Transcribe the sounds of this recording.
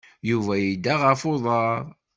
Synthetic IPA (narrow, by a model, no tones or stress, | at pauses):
juvæjid̪ːaʁəfʊðˤɑɾˤ